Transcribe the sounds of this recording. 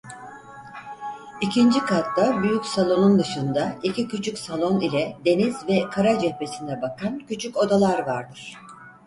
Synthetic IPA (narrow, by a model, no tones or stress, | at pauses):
icʰind͡ʒikʰat̪d̪abyjycʲsalˠo̞nund̪ɯʃɯnd̪aicʰicʰyt͡ʃʰycsalˠo̞nilʲɛd̪e̞nizvɛkʰaɾad͡ʒɛhpe̞sind̪ɛbakʰancʰyt͡ʃʰyco̞d̪alˠaɾvaɾd̪ɯɾ̥